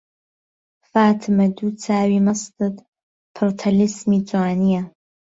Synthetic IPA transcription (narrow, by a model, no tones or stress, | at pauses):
fatʰmadut͡sʰaːɥimastʰʼɨtʼ | pʰortʰalismit͡sʷʼaːnija